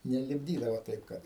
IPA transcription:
nʲɛlʲɪbʲˈdʲiːdɐʋoː ˈtɐɪp kɐt

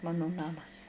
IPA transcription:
ˈmɑːnʊ ˈnɑːmɐs

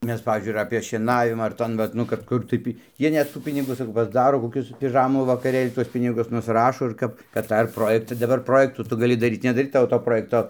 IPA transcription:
ˈmʲɛs ˈpɑːʋʲiːzʲd͡ʒʲʊɪ ɪr ɐpʲeː ʃʲiɛˈnɑːʋʲɪmɐ ɐr ˈtoːn ʋɐt ˈnʊ kɐt ˈkʊr tɐɪ pʲɪ ˈjiɛ nʲɛt ˈtuː ˈpʲɪnʲɪɡuː sɐˈkɐʊ pɐzˈdɑːroː koːˈkʲʊs pʲɪˈʒɑːmuː ʋɐkɐˈrʲeːlʲ ˈtuɔs ˈpʲɪnʲɪɡʊs nʊsˈrɑːʃoː ɪr ˈkɐp kɐt ˈtɑː ɪr ˈproːjɛktɐ dɐˈbɐr ˈproːjɛktuː ˈtʊ ɡɐˈlʲɪ dɐˈrʲiːt nʲɛdɐˈrʲiːt ˈtɑːʋoː toː ˈproːjɛktoː

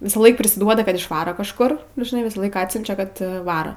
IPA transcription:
ˈʋʲɪsɑːˌlˠɐɪk pʲrʲɪsʲɪˈduɔdɐ kɐt ɪʃˈʋɑːroː kɐʃˈkʊr nʊ ʒʲɪˈnɐɪ ˈʋʲɪsɑːˌlˠɐɪk ˈɑːtʲsʲʊnʲt͡ʃʲɛ ˈkɐt ˈʋɑːrɐ

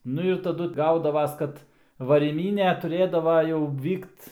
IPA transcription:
ˈnʊ ɪr tɐˈdʊ ˈɡɐʊdɐʋɐs ˈkɐt ʋɐrʲiːˈmʲiːnʲeː tʊˈrʲeːdɐʋɐ jɛʊ ˈʋʲiːkt

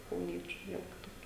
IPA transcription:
kɐʊˈnʲiɛt͡ʃʲʊ ˈʋʲiɛlˠ kʲɪˈtoːkʲɛ

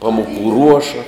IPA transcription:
ˈpɑːmʊˌkuː ˈruɔʃɐ

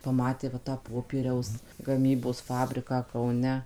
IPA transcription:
pɐˈmɑːtʲeː ʋɐ tɑː ˈpoːpʲiɛrʲɛʊs ɡɐˈmʲiːboːs ˈfɑːbʲrʲɪkɑː kɐʊˈnʲɛ

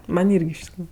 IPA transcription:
ˈmɐnʲ ˈɪrʲɡʲɪ ɪʃ tʲɪkˈruːjʊ

